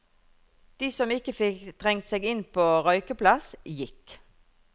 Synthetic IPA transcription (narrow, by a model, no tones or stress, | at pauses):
d̪̥iːsɔmɪkəfɪkt̪ʰʁɛŋt̪seːɡɪnpʰoːʁɔʏkəplɑsjɪk